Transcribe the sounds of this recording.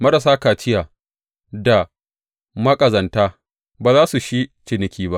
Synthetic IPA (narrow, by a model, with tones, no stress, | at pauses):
mɐ˦ɾɐ˨saː˦kaː˨t͡ʃɪ˦jaː˨ | da˨ | mɐ˦kʼɐ˨zɐ˨ntaː˦ | baː˨zaː˦su˨ʃi˦t͡ʃɪ˨nɪ˦kʲiː˦ba˦ʔ